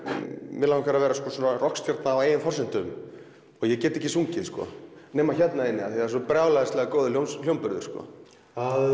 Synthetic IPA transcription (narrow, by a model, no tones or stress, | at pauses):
mɪlawɪmkvɛɾavɛːɾaskɔːsɔnarɔhkst̪jaɾt̪naːweːjɪnfɔr̥sɪn̥t̪ʏm | ɔɣjɛcɛːt̪ɪɛcɪsuŋcɪðskɔ̰nɛːmaçɛt̪naðɪnːɪaθiasɔpɾaːwlaðɛst̪lɛːɣakowðʏljowmsl̥jowmpʏɾðʏɾ̥skɔ̰ | a